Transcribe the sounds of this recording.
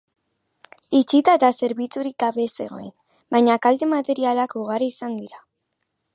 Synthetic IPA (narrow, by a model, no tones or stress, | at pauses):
it͡ʃit̪ae̞t̪ase̞ɾβit͡suɾik̚ɡaβe̞se̞ɣo̞̰en | bajɲakald̪e̞mat̪e̞ɾialakuɣ̞aɾiːsand̪iɾa